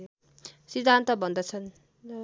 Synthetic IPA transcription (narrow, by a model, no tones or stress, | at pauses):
sid̪ʱːant̪ʌbʱʌnd̪ʌt͡sʰʌn